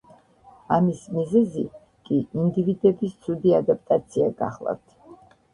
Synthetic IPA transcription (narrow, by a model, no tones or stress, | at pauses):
amismizɛzi | kʼiind̪ivid̪ɛbist̪sʰud̪iad̪ap̚ʰʼt̪ʼat̪sʰiaɡa̰χlˠa̰ft̪ʰ